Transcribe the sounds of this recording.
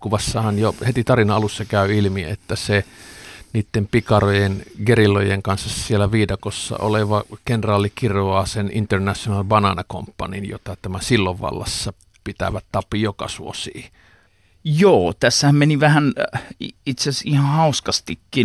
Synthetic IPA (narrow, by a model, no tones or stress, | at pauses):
kuʋɑsːɑhɑnjohet̪it̪ɑrinɑɑlusːɑkæˑyilmḭet̪ːæse | niːt̪ːempikɑrojenɡerilːojeŋkɑnsːɑssielæʋiːdokosːɑ̰o̰leʋɑkenrɑːlːˑikirɑːsenint̪ernæsjonɑlʋɑnɑnɑko̰mpːɑnḭnjo̰t̪ɑt̪æmæsilːoʋʋɑ̰lːɑ̰sːɑ | pit̪æ̰ʋæt̪t̪ɑpːˑijokɑ̰suosḭː | joːt̪æsːæhæmmeniʋæhæn | it̪seæsihɑ̃hɑuskɑst̪ikːi